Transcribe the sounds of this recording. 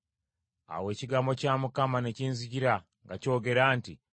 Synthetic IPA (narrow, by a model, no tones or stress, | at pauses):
a̰we̞ːciɡaːmbo̞caːmukamane̞ciːnziɟiɾa | ŋɡaco̞ːɡe̞ɾaːnti